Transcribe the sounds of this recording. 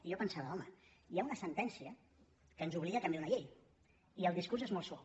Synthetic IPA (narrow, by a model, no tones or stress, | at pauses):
jɔpənsaβəlɔməjaunəsənt̪ɛnsiə | kənzuβliɣək̪əmbiunəʎej | iəlˠd̪iskurzezmɔlˠswɔ